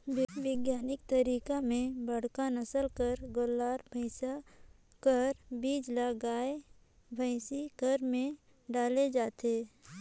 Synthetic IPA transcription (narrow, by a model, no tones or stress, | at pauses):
ʋɪɡjaːnɪk̚t̪əɾiːkamẽbəɽ̤kanəsəlkəɾɡolːaːɾbʱəɪsa | kəɾbiːd͡ʒlaɡaːe | bʱəɪsikəɾmẽ | ɖaːled͡ʒaːt̪eː